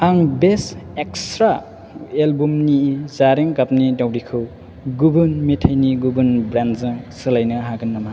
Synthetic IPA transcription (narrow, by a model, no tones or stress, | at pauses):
aŋbesekstɾa | elbumnizaɾiŋkap̚nidawɾikʰɯw | ɡubɯnmetʰajniɡubɯnbɾanzɯsɯlajnɯɦaɡɯnːama